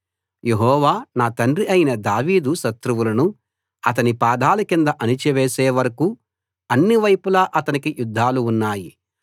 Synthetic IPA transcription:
je̞ɦɔːʋaːnaːt̪ɐnriɐjinɐd̪aːʋiːd̪uʃɐt̪ɾuʋulɐnu | ɐt̪̬ɐnipaːd̪ʱaːlukind̪ɐʔɐnit͡ʃɛʋeːseːʋɐɾɐku | ɐnːiʋɐjpulaːʔɐt̪ɐnikijud̪ʱːaːluːnːaːjḭ

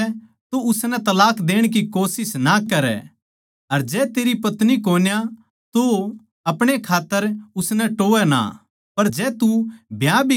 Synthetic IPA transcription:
t̪oʊsnɛ̃t̪ɐlaːkd̪eːɽ̃kikoːsɪsnakɐɾɛ̰ | ɐɾd͡ʒɛːt̪eːɾipɐt̪nikoːnja | t̪o | ɐpɽ̃ekʰaːt̪ːəɾʊsnɛ̃ʈoːɛna̰ | pɐɾd͡ʒɛːt̪ubʱjabʱi

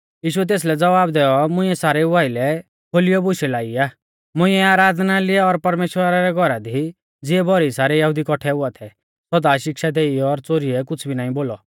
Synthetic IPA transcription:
jiːʃ̬uɛt̪̬eːs̬lɛd͡zɐʋaːbd̪ɛːɔmʊ̃ĩɛsaːɾɛʊʋaːɪlɛ | kʰoːlɪjɔbʊʃɛlaːiaː | mʊ̃ɪ̃ɛaːɾaːd̪ʱnalɪɛɔɾpɐɾmeːʃwəɾaɾɛɡʱɔɾad̪ʱi | d͡zɪɛbɔɾiisaːɾɛjɐɦud̪ikɔʈʰɛʊat̪ʰɛ | sɔd̪aʃɪkʃad̪eːiɔɾt͡soːɾiɛk̬ʊt͡sʰbʱinaːĩboːlɔ

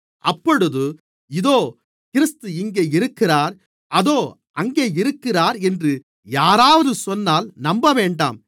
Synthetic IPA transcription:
ʔɐpːɔɽɯðɯ | ɪðoː | kɪɾɯst̪ɯɪŋɡeːɪɾɯkːɪraːɾ | ɐðoː | ʔɐŋɡeːɪɾɯkːɪraːɾɛndrɯ | jaːɾaːʋɐðɯsɔnːaːlnɐmbɐʋeːɳɖa̰ːm

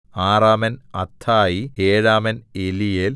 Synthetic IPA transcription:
aːraːmɐnɐt̪ʰːaːjieːɻaːmɐnelijel

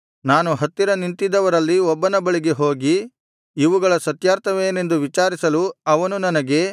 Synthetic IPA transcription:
naːnuɦɐt̪ːiɾɐnint̪id̪ɐʋɐɾɐlːiɔbːɐnɐbɐɭiɡe̞ɦo̞ːɡiː | ʋuɡɐɭɐsɐt̪jaːɾt̪ʰɐʋe̞ːne̞nd̪uʋit͡ʃaːɾisɐluɐʋɐnunɐnɐɡe̞

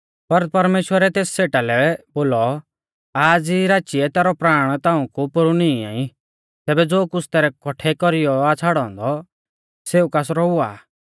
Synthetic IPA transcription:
pɐɾt̪̚pɐɾmeːʃwəɾɛt̪eːsseːʈalɛboːlɔ | aːd͡ziɾaːt͡ʃiɛt̪ɛːɾɔpɾaːɽ̃t̪ãːũkupʊɾuniia̰ːĩ | t̪ɛːbɛd͡zoːkʊt͡sʰt̪ɛːɾɛkɔʈʰɛkɔɾɪjɔat͡sʰaːɽɔ̃ːnd̪ɔ | seːukaːsɾɔʊa̰ː

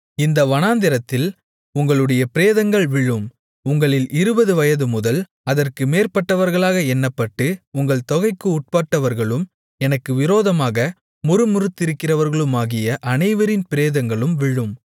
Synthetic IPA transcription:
ɪnd̪ɐʋɐnaːnd̪ɪɾɐt̪ːɪl | ʊŋɡɐɭɯɽɐjɐpɪɾeːðɐŋɡɐɭʋɪɭːɯm | ʊŋɡɐɭɪlʔɪɾɯbɐðɯʋɐjɐðɯmʊðɐl | ɐðɐrkɯmeːɾpɐʈːɐʋɐɾɣɐɭaːɣɐɛnːɐpːɐʈːɯʊŋɡɐɭt̪ɔɣɐɪkːɯʊʈ̚paːʈːɐʋɐɾɣɐɭɯm | ɛnɐkːɯʋɪɾoːðɐmaːɣɐ | mʊɾɯmʊɾɯt̪ːɪɾɯkːɪrɐʋɐɾɣɐɭɯmaːɣɪjɐʔɐnɐɪʋɐɾɪnpɪɾeːðɐŋɡɐɭɯmʋɪɻːɯm

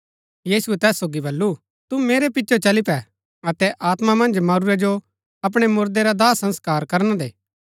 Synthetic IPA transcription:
jiːsuɛt̪ɛːsːoːɡibɐlːu | t̪umeːɾepɪtːt͡ʃʰot͡ʃɐlipɛ | ɐt̪ɛʔaːt̪mamɐ̃nd͡ʒmaːɾuɾed͡ʒo | ɐp̬ɽ̃emʊɾd̪eɾad̪aːsɐ̃nskaːɾkɐɾñad̪ḛː

